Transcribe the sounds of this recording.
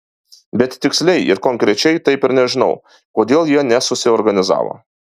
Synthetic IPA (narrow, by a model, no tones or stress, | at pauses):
bʲɛt̪t̪ʲɪksʲlʲɛɪʔɪ̰ɾkɔŋkɾʲɛt͡ʃʲɛɪt̪ɐɪpɪɾnʲɛʒʲɪnɒ̰ʊ | koːd̪ʲeːlˠjiɛnʲɛsʊsʲɪɔːɾɡɐnʲɪzɑ̰ːʋo̰ː